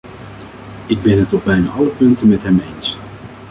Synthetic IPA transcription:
ɪɡ̚bɛnɦətɔb̚bɛjna̰ːʔɑləpɵntənmɛtɦɛmejns

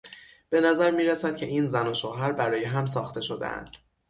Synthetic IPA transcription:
b̥e̞næzæɾmiːɾæsæd̪̥̚cʲʰe̞ʔiːnzænoʃoːɦæɾbæɾɒːjeɦæms̬ɒːxt̪ʰe̞ʃo̞d̪ḛʔæ̰nd̪̥

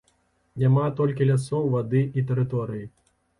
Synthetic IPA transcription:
nʲamat̪ɔlʲkʲilʲasɔwvad̪ɨʔit̪̬ɛɾɨt̪ɔɾɨji

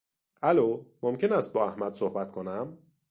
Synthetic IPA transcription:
ʔælomomcʰe̞næst̪̚bɒːæhmæd̪̥sohbæt̪kʰonæm

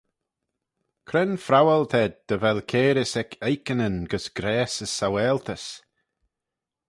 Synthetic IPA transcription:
kʰɾɛnfɾawalt̪ʰɛd̪̚d̪̥əvɛlkʰeːɾɪsɛkʰejkənənɡəsɡ̥ɾɛːsəsawɛːlt̪ʰəs

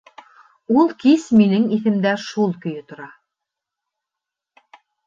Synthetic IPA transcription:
ulˠkisminɘŋiθɘ̆md̪æʃulˠkɵ̆jɘ̆t̪ŏɾɑ

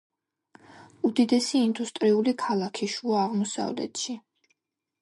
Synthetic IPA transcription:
ud̪id̪ɛsiːnd̪ust̪ʼɾiulikʰalˠakʰiʃuaːʁmɔsa̰vlɛ̰t̪ʃi

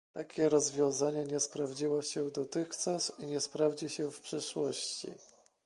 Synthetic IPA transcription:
t̪akʲɛɾɔzvʲjɔ̃w̃zaɲɛɲɛspɾavd͡ʑiwɔɕɛd̪ɔt̪ɘxt͡ʂasiɲɛspɾavd͡ʑiɕɛfpʂɘʂwɔɕt͡ɕḭ

